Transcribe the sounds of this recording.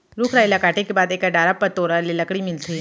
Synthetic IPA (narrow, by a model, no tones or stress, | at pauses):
ɾʊkʰɾaːilakaːʈekebaːd̪eːkaɖaːɾapːɐt̪oːɾalelɐkɽimɪlt̪ʰi